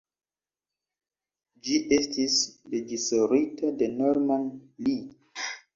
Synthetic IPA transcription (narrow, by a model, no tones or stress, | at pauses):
d͡ʒiʔestʰisɾed͡ʒisoɾitadenoɾmanli